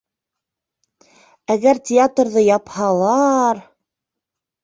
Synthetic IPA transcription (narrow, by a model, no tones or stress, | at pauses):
æɡæɾtʲɪat̪rðɤjɑphɑlˠɑɾ